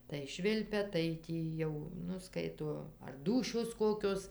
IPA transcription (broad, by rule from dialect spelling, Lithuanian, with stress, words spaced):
tɐɪ ˈʃʲʋʲɪlʲpʲɛ tɐɪ ˈtʲiː jɛʊ ˈnʊ ˈskɐɪtoː ɐr ˈduːʃʲoːs ˈkoːkʲoːs